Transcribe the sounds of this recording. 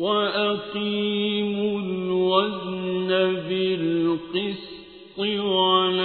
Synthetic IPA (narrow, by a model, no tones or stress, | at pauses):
waʔaqiːmʊlwadnnabɪlqɨs | t̪ˤɨwal